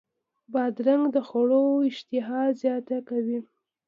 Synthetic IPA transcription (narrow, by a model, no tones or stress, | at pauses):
bɑd̪ɾaŋɡd̪əxoɽoɪʃt̪ɪɦɑzjɑt̪akawi